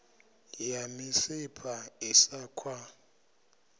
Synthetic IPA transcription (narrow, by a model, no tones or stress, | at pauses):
jamɪsɪpʰaɪsaːkʰwa